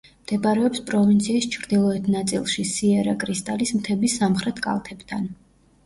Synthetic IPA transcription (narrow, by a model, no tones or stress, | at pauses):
md̪̥ɛbaɾɛɔpspʼɾɔvint̪sʰiːst͡ʃʰɾd̪ilˠɔɛt̪ʰnat̪sʼḭlˠʃisiɛɾakʼɾist̪ʼalismt̪ʰɛbisːamχɾɛt̪ʰkʼa̰lˠt̪ʰɛbt̪ʰan